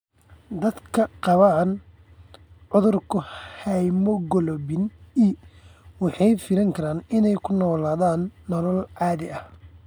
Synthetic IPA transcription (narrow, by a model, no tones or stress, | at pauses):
d̪ɐd̪kʰɐqɑβaːn | ʕʊðʊrkʰʊhɛjmɔɡɔlɔbɪniwɑħɑjfɪɾɐŋkʰɐɾaːnɪnɛjkʰʊnɔːlaːðaːnːɔlɔlʕɑːðɪʔɐh